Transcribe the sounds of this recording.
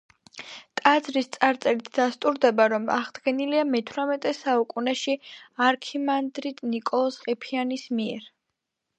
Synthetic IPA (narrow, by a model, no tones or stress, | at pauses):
t̪ʼad̪zɾist̪sʼaɾt̪sʼɛɾit̪ʰd̪ast̪ʼuɾd̪ɛbaɾɔma̰ʁd̪ɡɛniliamɛt̪ʰɾamɛt̪ʼɛsaukʼunɛʃiaɾkʰimand̪ɾid̪nikʼɔlˠɔsqʼɛpʰianismiɛɾ